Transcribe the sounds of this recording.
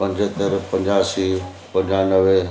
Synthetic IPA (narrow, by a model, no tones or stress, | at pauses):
pɐ̃ɲd͡ʑɦət̪əɾpɐ̃ɲd͡ʑaːsiː | pɐ̃ɲd͡ʑanəʋe